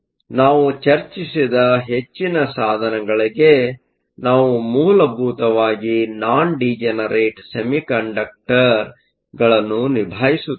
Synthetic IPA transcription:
naːʋut͡ʃɐɾt͡ʃisid̪ɐɦe̞t͡ʃːinɐsaːd̪ʱɐnɐɡɐɭiɡe̞ | naːʋumuːlɐbʱuːt̪ɐʋaːɡinaːɳɖid͡ʒɛnɐɾeːʈsemikɐɳɖɐk̚ʈɐɾ | ɡɐɭɐnːunibʱaːjisu

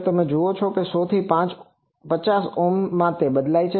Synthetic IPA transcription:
t̪əmẽd͡ʒuot͡ʃʰɔkesɔt̪ʰipãt͡ʃ | pət͡ʃasomːãt̪eɓəd̪lait͡ʃʰe

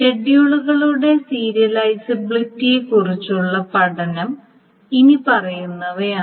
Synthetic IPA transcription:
e̞ɖijuɭuɣɐɭuɽe̞siːɾijɐlɐjsɐbiɭitːijekurit͡ɕːuɭːɐpɐɽɐnɐm | inipɐrɐjunːɐʋɐjaː

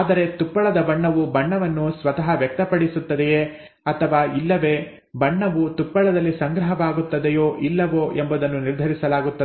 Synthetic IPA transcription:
aːd̪ɐɾe̞t̪upːɐɭɐd̪ɐbɐɳːɐʋubɐɳːɐʋɐnːusʋɐt̪ɐɦɐʋjɐk̚t̪ɐpɐɽisut̪ːɐd̪ɛjeː | ɐt̪ʰɐʋaːilːɐʋe̞ | bɐɳːɐʋut̪upːɐɭɐd̪ɐlːisɐŋɡɾɐɦɐʋaːɡut̪ːɐd̪ejo̞ːʔilːɐʋoːʔembɐd̪ɐnːuniɾd̪ʱɐɾisɐlaːɡut̪ːɐe

